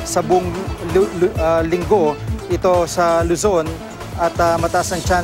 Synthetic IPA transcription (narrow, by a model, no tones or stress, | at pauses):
sɐbʊʔʊŋ | lɪŋɡo̞ʔɪt̪o̞sɐlʊso̞n | ʔɐt̪ɐmɐt̪ɐʔasɐŋt͡ʃa